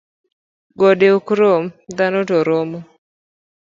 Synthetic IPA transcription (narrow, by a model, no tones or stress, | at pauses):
ɡɔdeukɾomd̪anotɔɾomo